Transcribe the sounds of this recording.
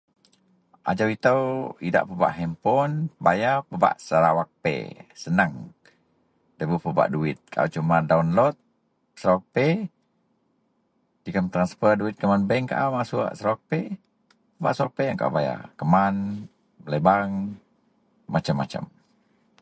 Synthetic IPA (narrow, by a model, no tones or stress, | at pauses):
ʔa̰d͡ʒawit̪əwida̰ʔpəba̰ʔɦɛmpɔnbajapəba̰ʔsəɾawak̚pḛsənəŋ | dəbupəba̰ʔduɪt̪̚kʰa̰ʔa̰t͡ʃumadaunlɔt̪̚ | səɾawak̚pe | dikəmt̪ɾanspərduɪt̪̚kəmanbɛŋka̰ʔamasua̰ʔsəɾawak̚pe | pəba̰ʔsəwak̚peəŋkaʔa̰baja̰kəman | ələbaŋ | mat͡ʃəmːat͡ʃə̰m